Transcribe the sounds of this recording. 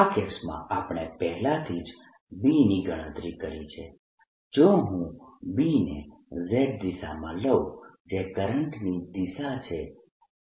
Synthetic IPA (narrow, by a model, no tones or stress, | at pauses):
akesmã̰ʔapɽ̃epɛɦlãt̪ʰid͡ʒ | biniɡəɽ̃ə̃t̪ɾikəɾit͡ʃʰḛ | d͡ʒoɦũbinḛ | zeʈ̚d̪isa̰mã̰ləʋ | d͡ʒekəɾəɳʈnid̪isat͡ʃʰe